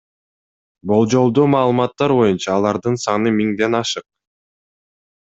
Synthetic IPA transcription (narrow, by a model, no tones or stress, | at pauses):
bo̞lˠd͡ʒo̞lˠd̪uːmɑːlˠɯmɑt̪ːɑɾbo̞junt͡ʃɑːlˠɑɾd̪ɯnsɑnɯmiŋd̪e̞nɑʃɯq̚